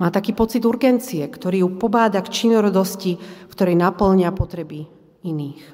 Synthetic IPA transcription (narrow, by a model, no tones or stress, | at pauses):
maːt̪akiːpɔt͡sid̪uɾɡɛnt͡siɛkt̪ɔɾiːjupɔbaːd̪akt͡ʃinɔɾɔd̪ɔscikt̪ɔɾɛjnapl̩ɲɪapɔt̪ɾɛbi | iniːx